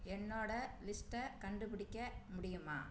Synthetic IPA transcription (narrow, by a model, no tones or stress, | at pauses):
ɛnːoːɽɐlɪsʈɐkɐɳɖɯpɪɽɪkʲːɐmʊɽɪjɯma̰ː